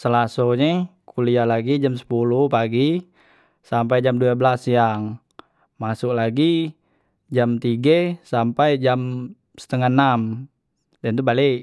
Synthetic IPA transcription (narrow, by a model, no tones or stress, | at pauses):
səlasoɲɛkulialaɡid͡ʒamsə̥pulupaɡi | sampajd͡ʒamduabəlasjaŋ | masʊklaɡi | d͡ʒamt̪iɡesampajd͡ʒam | sə̥t̪əŋanam | dant̪ubaliʔ